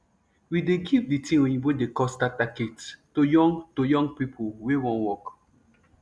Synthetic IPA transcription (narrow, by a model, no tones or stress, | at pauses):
wideɡivditʰĩĩiwedekɔsdatakettojɔ̃ŋtojɔ̃ŋɡpipʰolwewɔ̃nwɔk